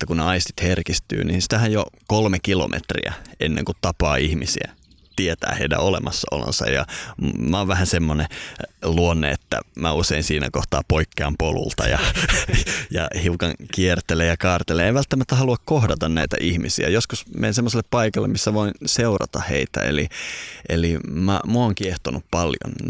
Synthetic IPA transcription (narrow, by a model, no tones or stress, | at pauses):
et̪ːækunneɑist̪i̥t̪herkist̪y̰ːninsi̥t̪æhæjjokolmekilo̰mʔḛt̪rḭæ̰enːḛ̃ŋkut̪t̪ɑpɑːihmisiæ̰ | t̪iet̪æ̰ːheidæ̰olemɑsːɑo̰lõ̰nsɑ̰jɑ̰mæoːʋʋæhænsemːoneluonːḛḛt̪ːæ̰mæuseinsiːnæ̰koht̪ɑːpoikːeɑmpolṵlt̪ɑjɑ | jɑhiukɑŋkiert̪elejɑkɑːrt̪eleeiʋælt̪ːæmæt̪ːæhɑluɑkkohdɑt̪ɑnnæit̪æ̰ʔihmisḭæjoskusmḛinsemːoselːeppɑikɑlːḛmisːæʋoinseurɑ̰t̪ɑhḛit̪æ̰ḛliʔelimæmuoːŋkieht̪onuppɑljo̰n